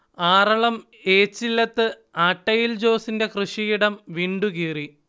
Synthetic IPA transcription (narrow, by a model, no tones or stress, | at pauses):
aːrɐɭɐm | eːt͡ɕːilːɐt̪ːɨ | aːʈːɐjild͡ʑo̞ːsinde̞krɨʂijiɽɐmʋiːɳɖukiːri